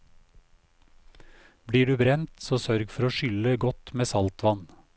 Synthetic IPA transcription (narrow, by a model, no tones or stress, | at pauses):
bɽiːɖʉːbɾɛnt̪soːsœɾɡfɔɾoːʃʏləɡɔt̪meːsɑlt̪ʋɑn